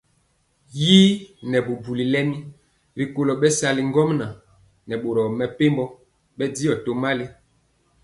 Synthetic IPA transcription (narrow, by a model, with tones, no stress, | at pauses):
ji˦nɛ˨bu˨bu˨li˨lɛ˦mi˦ | ɾi˨ko˨lɔ˨ɓɛ˦sa˨li˨ŋ˦ɡɔ˦mna˨ | nɛ˨ɓo˨ɾɔ˨mɛ˨pe˦mbɔ˦ | ɓɛ˦di˦jɔ˨to˨ma˦li˦